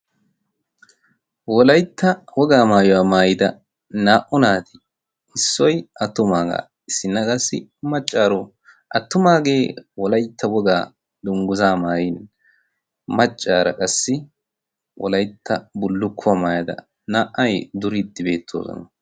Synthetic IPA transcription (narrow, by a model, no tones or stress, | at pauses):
wɔlɐjt̪ʰːɐwɔɡaːmaːjɔwaːmaːjɪd̪ɐ | naːʔʊnaːt̪ɪ̥ | ɪsːɔjɐt̪ːʊmaːɡa̰ | ɪsːɪnːɐkʼɐsːɪ̰mɐt͡ʃʼːaːɾɔ | ʔɐt̪ːʊmaːɡe̞ːwɔlɐjt̪ʰːɐwɔɡaː | d̪ʊŋɡʊzaːmaːjɪn | mɐt͡ʃʼːaːɾɐ̰kʼɐsːɪ | wɔ̰lɐjt̪ʰːɐbʊlːʊkʰːʊwamaːjɐd̪ɐ̰ | naːʔːɐjd̪ʊɾɪd̪ːɪbe̞ːt̪ʰːo̰ːsɔ̰nɐ